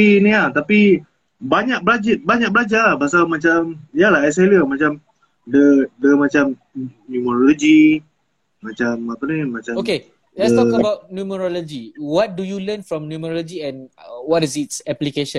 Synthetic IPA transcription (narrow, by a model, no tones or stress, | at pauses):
inĩat̪api | baɲak̚bəlad͡ʒit̪̚baɲak̚bəlad͡ʒabas̬almat͡ʃamijəlaɦajs̬aliəmat͡ʃam | dədəmat͡ʃam | njuməɾolod͡ʒi | mat͡ʃamapənimat͡ʃaoke | lɛdətɔ̃əbawt̚njuməɾɔlod͡ʒiwɔt̚dujulənfɹɔ̃mnjuməɾɔlod͡ʒiɛ̃nwɔtisitsɛplikeʃə̃n